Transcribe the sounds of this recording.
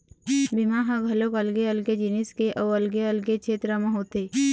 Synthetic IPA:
bɪmaɦãɡʱɐlokəlɡeəlɡed͡ʒiniskeʔɔːəlɡeəlɡekʃʰeːt̪ɾəmẽɦoːt̪e

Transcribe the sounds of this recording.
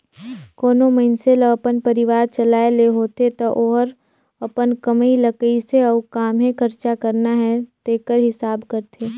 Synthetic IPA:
koːnomənseləɐpənpəɾɪʋaːɾt͡ʃɐlaːeleɦoːt̪et̪oʔoːɦəɾ | ɐpənkəmiləkəiseɔːkaːmɦẽkʰəɾt͡ʃakəɾnaɦɛt̪eːkəɾɦɪsaːbkəɾt̪ʰeː

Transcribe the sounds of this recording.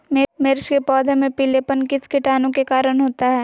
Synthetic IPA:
mɪmɪɾʃkepɔːd̪ʱemẽpiːlepənkɪskɪʈaːnõkekaːɾəñɦoːt̪aɦɛː

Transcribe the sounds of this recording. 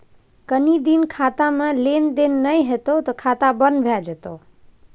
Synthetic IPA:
kənid̪inkʰat̪amẽlend̪enːəjɦet̪ot̪ɔkʰat̪abənbʱjad͡ʒet̪o

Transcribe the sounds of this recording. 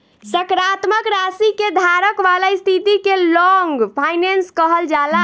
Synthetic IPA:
səkɾat̪məkɾasiked̪ʱaɾəkʋalaist̪ʰit̪ikelɔŋɡpʰajnenskəɦəld͡ʒala

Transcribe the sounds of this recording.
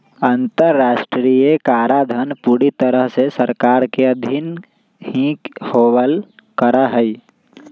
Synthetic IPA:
ə̃nt̪əɾːaːʃʈɾijekaːɾad̪ʱənpuːɾit̪əɾəɦsesəɾkaːɾkeəd̪ʱin | hĩkhoːwəlkəɾaɦəi

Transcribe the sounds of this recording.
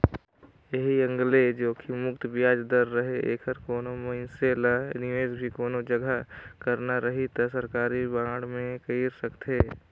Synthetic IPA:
jɐɦiɐ̃ŋɡled͡ʒoːkʰimʊkt̪bɪjaːd͡ʒd̪əɾːəɦeʔḛːkʰəɾkoːnomɐɪselanɪʋeːzbʱikoːnod͡ʒɐɡʱakɐɾnaɾɐɦit̪ɐsɐɾkaːɾibãːɽmẽkəiːɾsəkt̪ʰeː

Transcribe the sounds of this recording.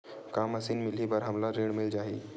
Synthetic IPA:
kaːməsiːnmɪlibəɾɦəmlaɾeːɽmɪld͡ʒaːɦiː

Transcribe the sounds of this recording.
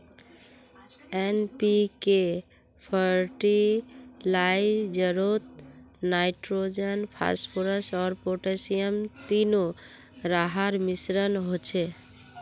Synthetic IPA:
enpike | pʰəɾʈi | laid͡ʒəɾot̪̚najʈɾod͡ʒənpʰa̰spʰoɾəsɔːɾpoʈesijəmt̪ino | ɾaɦaɾmisɾənɦot͡ʃʰe

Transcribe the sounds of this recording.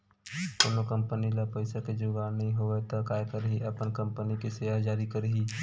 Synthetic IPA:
koːnokə̃mpənilapəɪsaked͡ʒʊɡaːnɐɦĩɦoet̪okaːekəɾɦiʔɐpənkə̃mpənikiseʋad͡ʒaːɾikəɾɦiː

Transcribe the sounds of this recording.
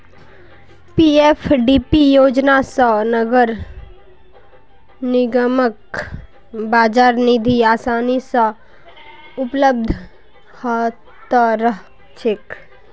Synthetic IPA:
piːefʰɖiːpijoːd͡ʒnasənɐɡəɾ | nɪɡəmək | baːd͡ʒaːɾnid̪ʱiaːsaːnisə | ʊpləb̚d̪ʱ | ha | t̪əɾəɦ | t͡ʃʰɪk

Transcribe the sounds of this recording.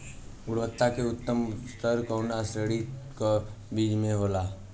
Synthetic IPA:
ʊɽʋət̪ːakeʊt̪ːəmst̪ʰəɾkəːnasɾeːɽiko | biːd͡ʒmẽɦola

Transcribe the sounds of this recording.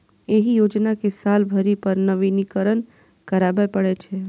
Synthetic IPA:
eɦijod͡ʒnakesalbʱəɾipəɾnəʋinikəɾən | kəɾabepəɽɛt͡ʃʰɛ

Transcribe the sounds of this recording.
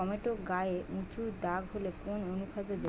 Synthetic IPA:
ɔmeʈoɡaeũt͡ɕud̪aɡɦolekononukʰad͡ʑod̪e

